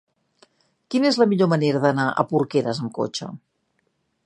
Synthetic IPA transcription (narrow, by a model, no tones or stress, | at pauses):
kinezləmiʎoməneɾəðənaʔə̰puɾkeɾəzəŋko̰t͡ʃə̰